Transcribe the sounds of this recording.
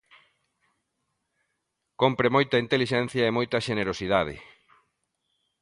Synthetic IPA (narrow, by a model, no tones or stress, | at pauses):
kompɾemojt̪ɐint̪eliʃɛn̟θjɐemojt̪ɐʃeneɾosið̞að̞ɪ̰